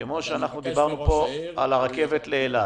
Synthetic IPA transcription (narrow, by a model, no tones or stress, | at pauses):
kemo̞ʃeanaχnud̪ibaʁnupo̞a̰laʁake̞ve̞t̪leːla